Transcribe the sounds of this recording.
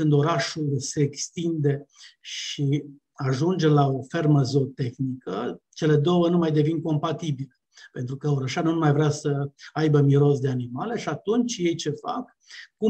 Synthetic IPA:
sɨnd̪o̞ɾaʃulse̞ːkst̪ind̪e̞ʃi | aʒund͡ʒe̞lao̞fe̞rməzo̞t̪e̞xnikət͡ʃe̞le̞d̪o̞wənumajd̪e̞vinko̞mpat̪ibilə | pe̞nt̪ɾukəoɾəʃanunumajvɾeasəajbəmiɾo̞s̬d̪e̞animale̞ʃiat̪unt͡ʃje̞jt͡ʃe̞fa̰kː | u

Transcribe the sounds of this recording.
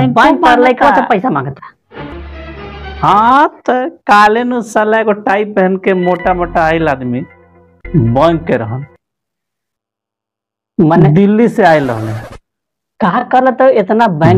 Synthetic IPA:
bə̃kːəɾlajkɐapəjsamãːŋɡət̪ʰḁ | hãt̪əkaːlenusɐlaekoʈaːip̚beɦnkemoʈamoʈaːilaːd̪mi | bəŋkːeɾəɦən | maned̪ilːiseaːjlə̰ɦle | kaɦɾkəɾlet̪ɔet̪nabə

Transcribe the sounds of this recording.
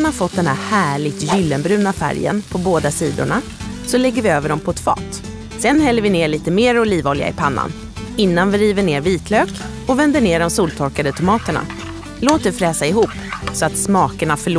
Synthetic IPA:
nhafɔt̪̚d̪ɛnæɾhæːɭɪɡt̪jʏlːənbɾʉ̟ːnafæ̰ɾjə̰npʰɔboːd̪asiːd̪ʊ̰ɳa | sɔlɛɡːəɾvɪøːvəɖɔmpʰɔɛt̪fɑ̰ːt̪ | sɛnhɛlːəɾvɪneːɭiːt̪əmeːɾɔliːvɔːlɪ̰a̰ɪpʰanːa̰n | ɪnːanvɪɾiːvəɳeːɾviːt̪ʰløːk | ɔvɛnd̪əɳeːɖɔmsuːlt̪ʰɔɾkad̪ət̪ʰʊmɑːt̪əɳa̰ | loːt̪̚d̪ɛfɾɛːsaɪɦuːpː | sɔat̪smɑːkəɳafœɭ

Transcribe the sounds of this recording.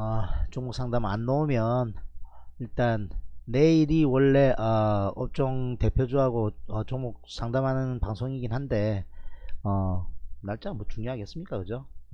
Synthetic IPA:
ʌt͡ɕoŋmuk̚s͈ʰaŋdama̰nːoomjʌn | iɭt͈anːe̞iɾiwʌɭːe̞ʔʌʌp̚t͡ɕ͈ʌŋte̞pʰjod͡ʑuɦaɡoʌt͡ɕoŋmuk̚sʰaŋdamɦanɯnpaŋsʰoŋiɡinhande̞ | ʌnaɭt͡ɕ͈amot͡ɕuŋɲjoɦaɡe̞s͈ɯmɲik͈akɯd͡ʑo

